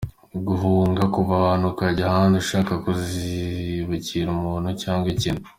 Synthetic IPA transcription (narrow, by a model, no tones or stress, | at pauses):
ɡuɦuːŋɡakuβaβanukaɟahaːnduʃaːkakuziβuciɾumuːn̤ucaːŋɡwecinu